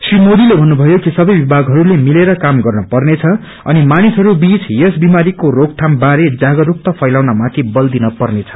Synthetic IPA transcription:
srimod̪ilebʱʌnːubʱʌjokisʌbʌjbibʱaɡɦʌɾulemileɾʌkamɡʌrnʌpʌrnet͡sʰʌ | ʌ̰nimanisʌɾubit͡sjesbimaɾikoɾok̚ʈʰambaɾed͡zaɡʌɾuk̚t̪ʌpʰʌjlawnamãt̪ʰibʌld̪inʌpʌrnet͡sʰʌ̥

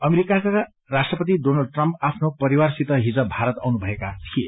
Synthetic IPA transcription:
ʌmeɾikaka | rasʈrʌpʌt̪̬idonalɖ̚ʈrʌmpapʰnopʌɾiwarsit̪ʌɦid͡zʌbʱaɾʌt̪a̰wnubʱʌekat̪ʰie

